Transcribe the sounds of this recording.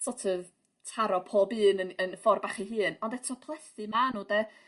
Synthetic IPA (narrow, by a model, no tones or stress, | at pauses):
sɔtʰəð | tʰaɾɔpʰoːbɨːnənənfɔrbaχiɦɨːnɔndɛtʰɔpʰlˠɛθɨmanuːdɛ